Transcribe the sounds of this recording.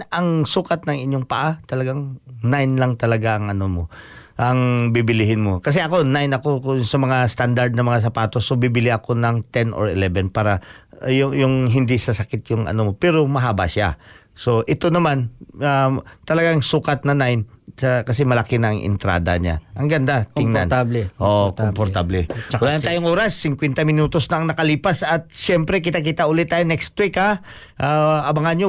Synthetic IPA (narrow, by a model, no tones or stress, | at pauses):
ɐŋsuːkɐt̪̚nɐŋɪɲjoŋpɐʔat̪ɐlɐɡaŋnajnlɐŋt̪ɐlɐɡaʔɐŋɐnomo̞ | ʔɐŋbɪbɪlɪhɪnmo̞kɐs̬ɛʔɐko̞najnɐko̞kʊsɐmɐŋast̪and̪aɾd̪̚nɐmɐŋas̬ɐpaːt̪o̞sobibɪlɪʔɐko̞nɐŋt̪ɛnʔo̰ɹɪlɛbɛnpaːɾɐjʊjʊŋɦɪnd̪ɪsɐsɐkɪt̪̚jʊŋɐ̰nomo̞pɛːɾo̞mɐɦaːbaʃa̰ | so̞ʔɪt̪o̞nɐmanat̪ɐlɐɡaŋsuːkat̪̚nɐnajnsɐkɐsɛmɐlɐkɪnɐɐŋʔɪ̰nt̪ɾa̰ːd̪ɐ̰ɲa̰ʔɐŋɡɐnd̪at̪ɪŋna̰ntʔoʔkompoɾt̪ablɛkʊnaːjant̪aːjʊŋʔoːɾasːɪŋkwɛnt̪ɐmɪnuːt̪osnɐʔɐŋnɐkɐliːpasɐt̪̚ʃɛmpɾɛk̬ɪt̪akɪt̪aʔʊlɪt̪ːaːjonɛkst̪wika | ʔaʔɐbɐŋanɲo